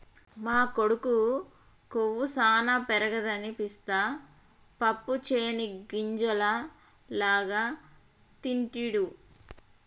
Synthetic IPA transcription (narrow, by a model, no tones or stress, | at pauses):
maːkoɽuku | koʋːusaːnapɛɾɐɡɐd̪ɐnipist̪aː | pɐpːut͡ʃeːniɡiɲd͡ʒɐlɐ | laːɡaː | t̪iɳʈiɽu